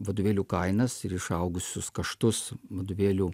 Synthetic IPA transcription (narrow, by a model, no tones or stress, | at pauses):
ʋɐd̪ʊːʋʲeːlʲuːkɐɪnɐsɪɾɪʃɐʊɡʊsʲʊskɐʃt̪ʊsʋɐd̪uːʋʲeːlʲuː